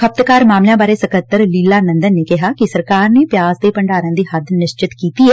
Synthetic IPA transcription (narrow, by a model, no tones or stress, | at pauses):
kʰəp̚t̪kaːɾmaːmljãːbaːɾeːsəkət̪ːəɾliːlaːnə̃nd̪ənːeːkɪɦaːkɪsəɾkaːɾneːpɪjaːzd̪eːpəɳɖaːɾãːd̪iːhəd̪nɪʃt͡ʃɪt̪kiːt̪iːɦɛː